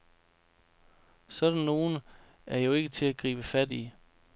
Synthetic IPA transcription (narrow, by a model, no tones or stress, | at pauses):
sɒ̽d̥ænːo̝ːn̩ | ʔæɐjo̝e̝ɡ̥ət͡sʰe̝æɡ̥ʁḭːb̥əfæd̥i